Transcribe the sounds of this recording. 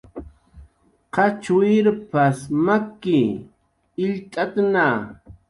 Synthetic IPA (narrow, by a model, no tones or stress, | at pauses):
qɑt͡ʃʊɪɾpasmakːɪ | ɪʎt̪ʼat̪na